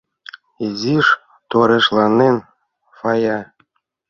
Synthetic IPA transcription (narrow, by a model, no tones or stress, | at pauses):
eziʃ | t̪oɾeʃlˠɑnen | fɑjɑ